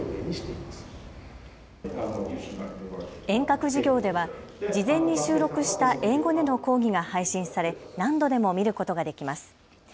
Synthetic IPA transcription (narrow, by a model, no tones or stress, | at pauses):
eimas | ẽ̞ŋkakɯ̟ʑiɡʲo̞ːd̪e̞βa | d͡ʑizẽ̞ɲ̟ːiɕɨːɾo̞kɯ̟ɕi̥t̪aʔe̞ːɡo̞d̪e̞no̞ko̞ːɡʲiɡahaiɕĩɰ̃saɾe̞nãnd̪o̞d̪e̞mo̞mʲiɾɯ̟ko̞t̪o̞ɡad̪e̞kʲimasɨ̥